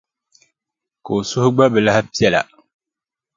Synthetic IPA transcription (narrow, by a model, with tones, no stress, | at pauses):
ka˨o˨sʊ˦hʊ˦ɡ͡ba˦bɛ˨la˦hpi˦ɛ˦la̰˨